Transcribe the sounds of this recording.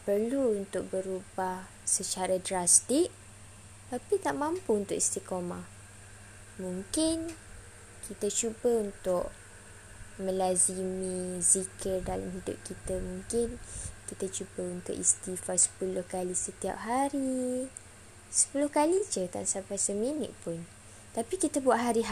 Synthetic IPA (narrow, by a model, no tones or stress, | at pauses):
pərluːnt̪ʊk̚bəɾubah | sət͡ʃaɾadɾast̪ɪk̚ | t̪apit̪aʔmãmpuunt̪ʊkist̪ikomã | muŋkɪn | kʰit̪at͡ʃubəunt̪ʊʔ | mə̃lazimĩzikʰərdala̰mhidʊ̰p̚kit̪əmuŋkɪnkit̪ət͡ʃubəunt̪ʊ̰ʔḭst̪ifasə̥pulʊhkalisət̪ia̰p̚ɦaɾi | sə̥pulʊhkalid͡ʒət̪a̰nsampajsəminə̰ʔ̪pʊn | t̪apikit̪əbuaʔɦaɾiɦ